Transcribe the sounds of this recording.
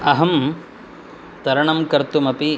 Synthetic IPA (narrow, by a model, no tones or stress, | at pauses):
ɐɦɐm | t̪ɐɾɐɳɐmkɐɾt̪umɐpi